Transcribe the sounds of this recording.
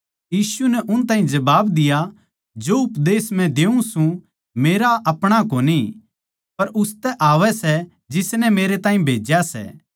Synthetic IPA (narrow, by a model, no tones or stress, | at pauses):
jiːsunɛʔʊnt̪aːɦĩd͡ʒɐbaːbd̪ɪja | d͡ʒoːʊpd̪eːsm̤ɛ̃d̪eːũsũ | meːɾaʔɐpɽ̃akoːni | pɐɾʊst̪ɛʔaːʋɛsɛ | d͡ʒɪsnɛmeːɾet̪ãːɦĩbʱeːd͡ʒjasɛ̰ː